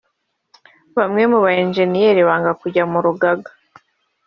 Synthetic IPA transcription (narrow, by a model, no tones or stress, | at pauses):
βamŋe̞muβaenʒe̞nijeɾiβaːŋɡakuɟamuɾuɡaɡḁ